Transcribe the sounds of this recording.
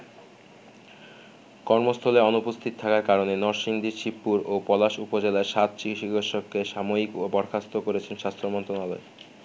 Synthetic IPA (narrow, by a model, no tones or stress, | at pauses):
kɔɾmost̪ʰɔleɔnupost̪ʰit̪̚t̪ʰakaɾkaɾonenɔɾʃiŋd̪iʃipːuɾopɔlaʃupod͡ʑelaeʃat̪t͡ɕiiʃiɡoʃokːeʃamoikobɔɾkʰast̪ʰokoɾet͡ɕʰenʃast̪ɾomɔnt̪ɾonalɔa̰e